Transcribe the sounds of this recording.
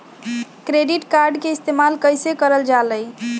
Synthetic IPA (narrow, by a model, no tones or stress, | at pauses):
kɾeɖiʈkaɾɖkeɪst̪emalkəjsekəɾəld͡ʒaləj